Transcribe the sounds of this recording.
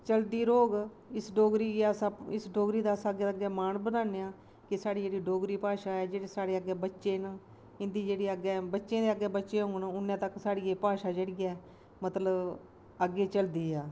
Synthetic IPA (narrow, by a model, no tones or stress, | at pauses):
t͡ʃəld̪iːɾoːɡ | ɪsɖoːɡɾiːkaːsaɪsɖoːɡɾiːd̪aːsaəɡeːəɡɛːmaːnbənãːneːãː | kɪsaːɽiːd͡ʒeːɽiːɖoːɡɾiːpaːʃaːɛːd͡ʒeːɽeːsaːɽeːəɡːɛːbətːʃeːnaː | ɪnd̪iːd͡ʒeːɽiːəɡɛːbətːʃẽːd̪eːəɡːɛːbətːʃeːɦoːnʊnːãːt̪əksaːɽiːeːpaːʃaːd͡ʒeːɽiːɛː | mət̪ləb | əɡːeːt͡ʃəld̪iːaː